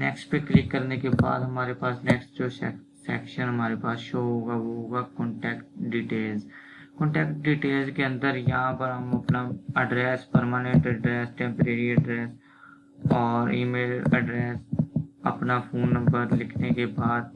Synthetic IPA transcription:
nɛ̰ːksʈpekːlɪkːəɾnekeba̰ːd̪ɦɐmaːɾepaːsnɛːksʈd͡ʒoː | sɛ̰ːkʃənɦɐmaːɾepaːsʃoːɦoːɡaʋoɦoːɡakɔ̃ɳʈɛːkʈɖiːʈeːlz | kɔ̃ːɳʈɛːkʈ̚ɖiːʈeːlzkeə̃nd̪əɾjɐɦãpəɾɦəmɐpnaəɖɾɛːspəɾmaːnẽɳʈəɖɾɛːsʈɛ̃ːmpəɾeːɾiəɖɾɛːs | ɔːɾiːmeːlə̰ɖɾɛːsə̰pnapʰoːnːə̃mbəɾlɪkʰnekebaːd̪̚

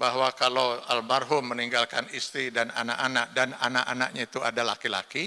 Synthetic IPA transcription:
baɦwakalawalmarɦʊmːəniŋɡalkanist̪ɾidana̰naʔanaʔ̚dananaʔanaʔ̚ɲait̪uadalakila̰ki

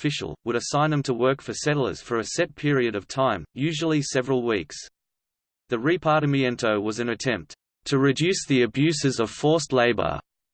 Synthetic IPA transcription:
fɪʃl̩ˠwəɾɨsãɪ̃nðɨ̃mtʰəwɜ˞kfəsɛɾl̩ˠə̰˞z̥fə˞ɨsɛt̚pʰɪɹiɨɾʌv̥tʰãɪ̃mjʉʒl̩ˠisɛvɹəl̩ˠwiks | ðɨɹipʰɑɾɨmiɛ̃ntʰoʊwʌzɨ̃nɨtʰɛ̃mp̚t | tʰɨɹɨdʉsðiɨbjʉsɨzʌv̥fɔɹsˡleɪbə̰˞

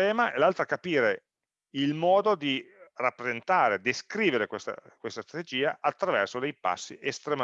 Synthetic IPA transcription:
ɛːmaʔelalt̪ɾakapiːɾe | ilmɔːd̪od̪irapːɾezent̪aːɾed̪eskɾiːveɾekwest̪a̰kwest̪ast̪ɾat̪ed͡ʒiːaʔat̪ːɾavɛrsod̪ejpa̰sːḭʔest̪ɾema

